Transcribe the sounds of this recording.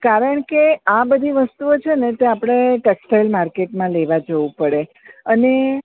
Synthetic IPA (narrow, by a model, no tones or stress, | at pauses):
kaɾəɳkeabəd̪ʱiʋəst̪uot͡ʃʰenet̪eapɽ̃eʈeksʈajlmaɾkeʈmãleʋad͡ʒəʋũpəɽe | əne